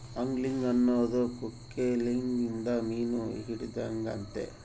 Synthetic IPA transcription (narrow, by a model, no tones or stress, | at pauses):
ɐŋɡliŋɡɐnːoːd̪okukːeliŋɡind̪ɐmiːnṵɦiɽid̪aŋɡɐ̰nt̪ḛ